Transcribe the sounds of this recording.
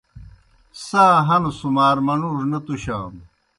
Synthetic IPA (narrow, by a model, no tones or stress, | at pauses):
saːɦɐnusumaːɾmɐnuʐnɐt̪uɕa̰ːm